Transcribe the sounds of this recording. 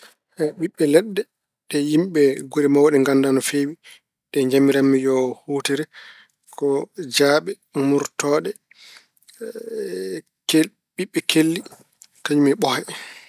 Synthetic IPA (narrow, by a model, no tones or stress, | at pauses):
ʔɛɓiɓːɛlɛɗːɛ | ɗɛjimɓɛɡoɾimawaɗɛŋɡandanɔfewi | ɗɛɲd͡ʒamiɾamːijɔhutiɾɛ | kɔd͡ʒaːɓɛ | muɾtɔːɗɛ | ɓiɓːɛkʰelːi | kaɲumɛɓɔhɛ